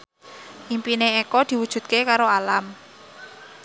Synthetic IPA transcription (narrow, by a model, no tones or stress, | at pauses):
ʔimpineekɔd̪̥i̤wud̥ʒ̥ṳt̪̚kekaɾoalam